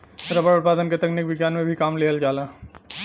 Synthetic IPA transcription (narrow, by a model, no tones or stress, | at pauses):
sɐɾɐbəɾʊt̪̚paːd̪ənket̪ɐknɪkʋɪɡjaːnmẽbʱikaːmleːəld͡ʒaːlaː